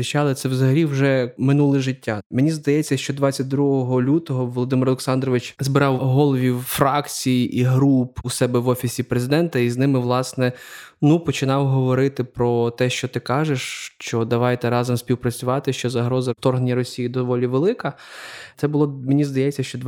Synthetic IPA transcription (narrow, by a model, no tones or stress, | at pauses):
ɪt͡ʃɑlˠɪt̪sɛwzɐɦɐlʲiwʒɛmɪnulˠɪʒɪtʲːamenʲizd̪ɐjɛt͡sʲːɐʃt͡ʃɔd̪ʋɑt͡sʲːɐt̚ʲd̪ɾuɦɔɦɔlʲut̪ɔɦɔʋɔlˠɔd̪ɪmɪɾɔlˠeksɑnd̪rɔʋɪt͡ʃzbɪɾɑwɦɔlˠɔʋʲiwfɾɑkt͡sʲijiʔiɦɾupusɛbɛʋɔfʲisʲipɾezɪd̪ɛnt̪ɐiznɪmɪʋlˠɑsnɛnupɔt͡ʃɪnɑwɦɔʋɔɾɪt̪ɪpɾɔt̪ɛʃt͡ʃɔt̪ɪkɑʒeʃt͡ʃɔd̪ɐʋɑjt̪ɛɾɑzɔmsʲpʲiwpɾɐt͡sʲʊʋɑt̪ɪʃt͡ʃɔzɐɦɾɔzɐt̪ɔrɦnenʲːɐrɔsʲijid̪ɔʋɔlʲiʋelˠɪkɐt̪sɛbʊlˠɔmenʲizd̪ɐjɛt͡sʲːɐʃt͡ʃɔd̪